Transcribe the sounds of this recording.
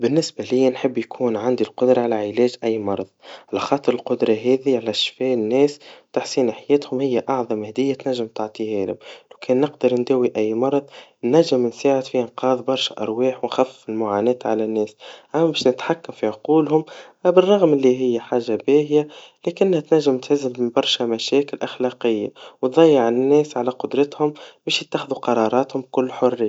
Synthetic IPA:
bɪnːɪsbælɪjːænħəbːjkʰuːnʕand̪ilqʊd̪ɾˤɑʕalæʕɪlɛːʒʔæjːmɑɾˤɑðˤʕalæxɑːt̪ˤəɾˤəlqʊd̪ɾˤɑɦɛːðiʕalæʃfɛːnːɛːst̪aħsiːnaħajɛːt̪hʊmhɪjːæʔɑʕðˤɑmhæd̪ɪjːæt̪næʒːɪmt̪aʕt̪ˤihɛːlʊmlæwkʰɛːnːɪqd̪əɾˤnd̪æːwiʔæjːmɑɾˤɑðˤnæʒɪmnsaːʕəd̪fiʔɪnqɑːðˤbɑɾˤʃʔɑ̰ɾˤwɑːħwnxæfːɪfɪlmʊʕaːnɛːt̪ʕalænːɛːsʔæmːæbɛːʃnɪt̪ħakːamfiʕʊquːlhʊmbɪrˤːɑɣmɪlːiɦɪjːæħaːʒːabæːhjalɛkɪnːhæt̪næʒːɪmt̪ħɪzːɪbbɑɾˤʃæmæʃɛːkɪlʔaxlɑqɪjːawt̪ðˤɑjːəʕɪnːɛːsʕalæqʊd̪ɾˤɑt̪hʊmbɛːʃjɪt̪ːaxɪðuqɑɾˤɑːɾˤɑːt̪hʊmkʊlːħʊrːɪjː

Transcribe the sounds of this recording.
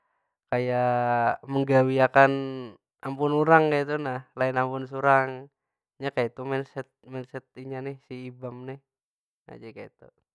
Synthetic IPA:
kaja | məŋɡawiakan | ampʊnuɾaŋkait̪unahlaɪnampʊns̬uɾaŋ | ɲakajait̪umɛnsɛt̪̚mɛnsɛt̪̚iɲanɪhsiːbamnɪh | a̰d͡ʒakait̪u

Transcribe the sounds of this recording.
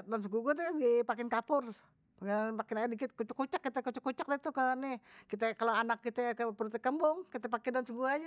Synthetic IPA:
dans̬əɡuɡudɛɡipakɛnkapʊr | pakɛnpakɪnaadikɪt̪̚kut͡ʃʊkːut͡ʃakːit̪ɛkut͡ʃakːut͡ʃak̚dat̪ukənɪkit̪ɛkaloanakːit̪ɛkəpurt̪ɛkəmbʊŋkit̪ɛpakɛdansəɡuad͡ʒa

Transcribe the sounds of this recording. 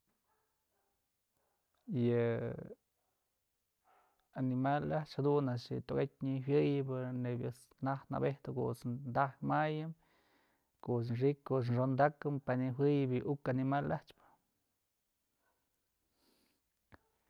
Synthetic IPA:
jɨ | animalaht͡ʃhad̪unaʂɨ̰t̪oɡet̪̚ʲɲiwʲjɨjɨbɨnebʲjɨs | nah̪na̰beht̪ɨko̰ʔsnd̪ahmajɨm | koʔs̬nʂikːos̬nʂond̪akɨmpaniɦɨjɨbɨʔukanimalaht͡ʃpɨ̥

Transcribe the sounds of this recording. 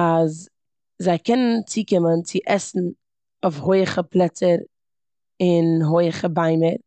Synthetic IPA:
az | zaɪkɛnənt͡siːkɪmənt͡sɪʔɛsn̩ | ofhoɪəχəplˠɛt͡səɾ | ɪnɦoɪəχəbaɪməɾ

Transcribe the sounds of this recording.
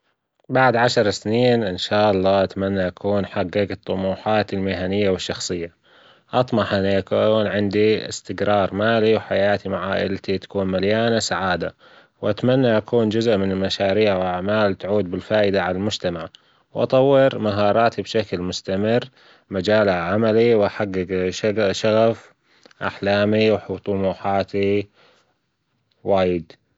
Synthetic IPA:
baʕd̪ʕaʃɑɾˤsniːnʔɪnʃaːʔɑlˤːɑːʔat̪manːaʔakʰuːnħaɡːɪɡɨt̪ˤːʊmuːħaːt̪ɪlmɪɦanɪjːawɪʃːɑxsˤɨjːa | ʔɑt̪ˤmɑħʔɪnːiʔakunʕɪnd̪iɪ̰st̪ɪɡɾˤɑːɾˤmaːliwħajaːt̪imaʕa̰ːʔɪ̰lt̪it̪ḁkuːnmaljaːnasaʕaːd̪a̰ | wʔat̪manːaʔakʰuːnd͡ʒʊzʔmɪnɪlmaʃaːɾiːʕwaʕmaːlt̪aʕuːd̪̚bɪlfaːʔɪd̪aʕalalmʊd͡ʒt̪amaʕ | wʔɑ̰t̪ˤɑwːɪɾmaɦɑːɾˤɑːt̪ibʃaklmʊst̪amɪrː | mad͡ʒaːlaʕamaliwʔaħaɡːɪɡaʃaɣaf | ʔa̰ħlaːmiwħt̪ˤʊmuːħaːt̪i | waːjɪd̪

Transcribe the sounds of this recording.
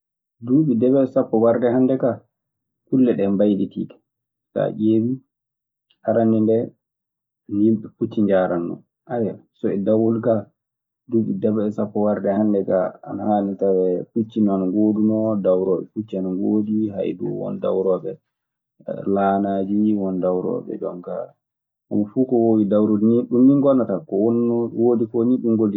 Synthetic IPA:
duːɓidɛbɛɛsapːɔwaɾdɛhandɛka | kulːɛɗɛmbajditiːtɛ̥ | sa̰ʔeːwi | haɾanindɛ | anjimɓɛput͡ʃːiɲd͡ʒaːɾanːɔ̰ | ʔajɛsɔɛdawulka | duːɓidɛbɛɛsapːɔwaɾdɛhandɛkaa̰nahanitawɛput͡ʃːinɔanaɡoːdunɔdawɾɔːɓɛ̰put͡ʃːianaŋɡoːdiɦa̰jdṵwɔ̰nda̰wɾɔːɓɛ̰ | laːnad͡ʒiwɔndawɾɔ̰ːɓɛ̰d͡ʒɔŋka̰ | ka̰mːafuːkɔwowidawɾodiniɗumːiŋɡɔnːatakɔwonːwodikɔniɗumɡoli

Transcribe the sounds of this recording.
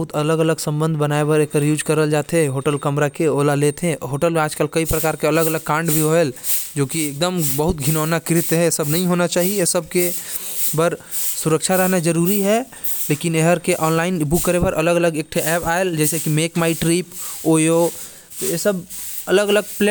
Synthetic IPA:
ʊt̪ələɡələɡsə̃mbə̃nd̪ʱbənaːebɐɾekəɾjuːd͡ʒkəɾəld͡ʒaːt̪eɦoːʈəlkəmɾakeoːlaleːt̪ʰẽɦoːʈəlmẽaːd͡ʒkəlkəipɾəkaːɾkeɐləɡələɡ̚kãːɳɖbʱiɦoeld͡ʒoːkieːk̚d̪əmbəɦʊt̪̚ɡʱɪnoːnakɪɾɪt̪ɦɛesəbnɐɦĩɦoːnat͡ʃaːɦieesəb̚kebəɾsʊɾəkʃʰaɾɐɦnad͡ʒəɾuːɾiɦɛ | leːkɪneɦəɾkeʔɔːnlaːɪnɪbukːəɾebəɾʔɐləɡələɡek̚ʈʰeʔɛːpaːeld͡ʒɛːsekimeːkmaːiʈɾiːpoːjo | t̪oesəbɐləɡələɡ̚ple

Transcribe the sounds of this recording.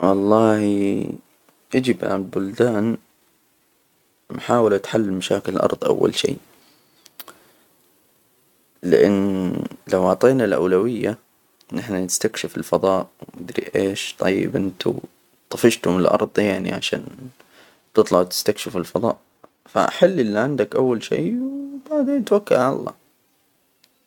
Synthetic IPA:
wɑlˤːɑːh | ʔad͡ʒibʕa̰bʊld̪aːn | mħaːwɪlat̪ħalːɪlmaʃaːkɪlɪlʔɑ̰ɾˤðˤʔa̰wːa̰lʃḭː | lɪʔɪ̰nːlawʕɑʕt̪ˤeːnalʔa̰wlawɪjːa | nɪħnanɪst̪akʃɪfɪlfɑðˤɑːʔwnɪd̪ɾḭʔeːʃt̪ˤɑjːɪ̰bʔɪnt̪ṵ | t̪ˤːɑfɪʃt̪hʊmɪlʔɑ̰ɾˤðˤjaʕnḭʕaʃa̰ːn | t̪ɨt̪ˤlɑʕt̪ɪ̥st̪akʃɪfɪlfɑðˤɑ̰ːʔ | fa̰ʔaħɪlːʔɪlːiʕɪnd̪akʔawːalʃḭːwb̥aʕd̪eːnt̪wakːalʕala̰lˤːɑ̰ː

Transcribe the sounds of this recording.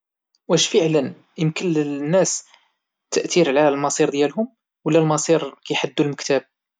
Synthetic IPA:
wæʃfəʕlən | jəmkənənːæs | t̪ːəʔt̪iɾʕlælmɑsˤiɾd̪jælɦʊm | wəlːælmɑsˤiɾkæjħad̪ːulməkt̪æb̚

